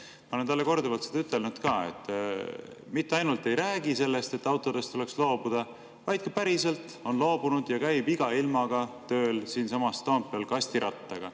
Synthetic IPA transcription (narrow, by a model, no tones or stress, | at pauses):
pɑnent̪ɑlːe̞ko̞rd̪evɑlt̪sed̪ɑyt̪ˑːe̞lnut̪kɑːe̞̰t̪ːˑ | mit̪ːeɑjnult̪ˑːe̞jɾæːɡ̥ise̞lːe̞st̪e̞t̪ːˑɑwt̪ˑo̞d̪̥e̞st̪ːule̞kslo̞ːb̥ud̪̥ɑ | vɑjd̪̥̚kɑpæɾise̞lt̪ˑ | o̞nlo̞ːbunud̪̥jɑkæjbiɡ̥ɑilmɑɡ̥ɑt̪ø̞ːlsiːnsɑmɑst̪ompːˑelkɑsʲt̪iɾʔɑt̪ːɑɡ̥ɑ